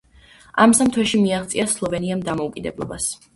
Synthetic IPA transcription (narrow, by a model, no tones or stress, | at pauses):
amsamt̪ʰwɛʃimiaχt̪sʼiaslˠɔvɛniamd̪amɔukʼid̪ɛblˠɔ̰bas